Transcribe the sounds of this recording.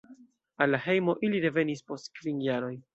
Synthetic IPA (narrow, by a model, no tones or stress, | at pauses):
alːahe̞jmo̞ʔiliɾe̞ve̞nispo̞stkvinjaɾo̞j